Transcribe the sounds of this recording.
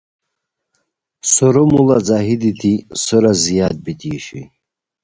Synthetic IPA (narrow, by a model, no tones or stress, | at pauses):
sɔɾɔmulad͡zaɦid̪id̪isəɾazijad̪̚bid̪iʃi